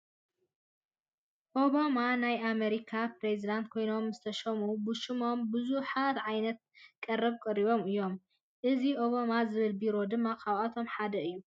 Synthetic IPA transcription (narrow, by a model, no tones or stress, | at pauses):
ʔoβamanajʔameɾikʰapɾezid̪ant̪̚kʰo̞jno̞mzɨt̪ʰɐʃɐmubɨʃɨmo̞mbɨzuħat̪ʕajnɐt̪̚kʼɐrːɨβkʼɐɾiβo̞mɨjːo̞m | ʔɨziʔoβamazɨβɨlbiɾo̞d̪ɨmːakʰaβat̪ʰo̞mħad̪ɐɨjːu